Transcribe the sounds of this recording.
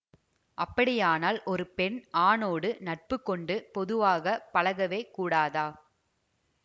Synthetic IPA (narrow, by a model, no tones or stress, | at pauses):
ʔɐpːɐɽɪjaːnaːlʔɔɾɯpɛɳʔaːnoːɽɯnɐʈ̚pɯkːɔɳɖɯpɔðɯʋaːɣɐpɐɭɐɣɐʋeːkuːɽaːðaː